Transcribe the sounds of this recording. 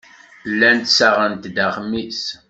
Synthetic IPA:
lːænt̪saʁənt̪d̪əχmis

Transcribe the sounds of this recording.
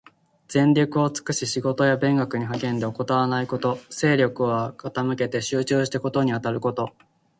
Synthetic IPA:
z̥ẽ̞nɾʲokɯ̟o̞t͡sɨ̥kɯ̟ɕiɕiɡo̞t̪o̞jabẽ̞ŋɡakɯ̟ɲ̟iɦakẽ̞nd̪e̞o̞ko̞t̪aβanaiko̞t̪o̞se̞ːɾʲo̞kɯ̟βakʰat̪amɯ̟ke̞t̪e̞ɕɨːt͡ɕɨːɕi̥t̪eko̞t̪o̞ɲ̟iat̪aɾɯ̟ko̞t̪o̞

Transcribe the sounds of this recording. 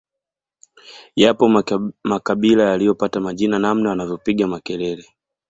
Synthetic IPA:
japɔmakaɓilajalijɔpatamaʄinanamnawanavjɔpiɠamakɛlɛlɛ

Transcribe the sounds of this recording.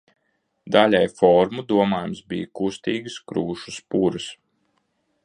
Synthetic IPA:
d̪alʲajfɔɾmud̪uɔmaːjumsbḭjkust̪iːɡɨskɾuːʃuspuɾɨs

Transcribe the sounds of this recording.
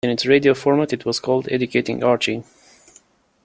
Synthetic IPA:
ɨ̃nɨtsɹeɪdiofɔɹmatɨtʰwɔz̥kʰɔlˠd̪ɛ̰d͡ʒɨkʰeɪtɪ̰̃ŋɑɹt͡ʃĩn

